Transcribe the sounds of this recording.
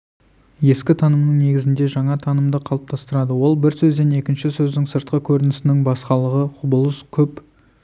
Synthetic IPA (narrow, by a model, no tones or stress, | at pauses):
je̞skʲɪt̪ʰɑnəmnəŋne̞ɡʲɪzɪnd̪e̞ʒɑɴɑt̪ʰɑnəmd̪əqʰɑlˠəp̚t̪ʰɑst̪əɾɑd̪əwo̞lˠbɪɾsɵzd̪e̞ne̞kʲɪnʃɪsɵzd̪ɪŋsəɾt̪̚qəkʲʰɵɾɪnɪsɪnɪŋbɑsqɑlˠəʁəqʰʊbəlˠəskʲʰɵp